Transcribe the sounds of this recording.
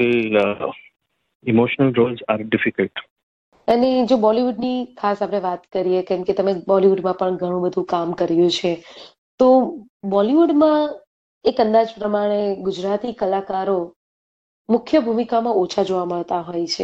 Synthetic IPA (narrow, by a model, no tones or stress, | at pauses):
e | imoʃənəlɾolzaɾɖɪfikəlʈ | əned͡ʒobɔliʋuɖnikʰasapɽeʋat̪kəɾijekɛmket̪əmebɔliʋuɖmãpəɳɡʱəɽ̃ũbəd̪ʱũkamkəɾjũt͡ʃʰe | t̪obɔliʋuɖmã | ekənd̪ad͡ʒpɾəmaɽ̃eɡʊd͡ʒɾat̪ikəlakaɾo | mʊkʰjəbʱumikamãot͡ʃʰad͡ʒoʋaməɭt̪aɦojt͡ʃʰe